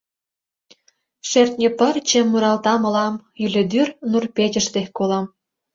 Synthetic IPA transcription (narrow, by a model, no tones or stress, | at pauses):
ʃert̪ʲnʲĕpə̆rt͡ɕemːuɾɑlt̪ɑmɤ̆lɑmjylʲĕd̪yrnurped͡ʑə̆ʃt̪exʲkolɑm